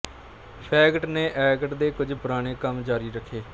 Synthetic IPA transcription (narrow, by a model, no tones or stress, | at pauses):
pʰɛːɡəʈneːʔɛːɡəʈd̪eːkʊd͡ʒpʊɾaːneːkəmd͡ʒaːɾiːɾəkʰːeː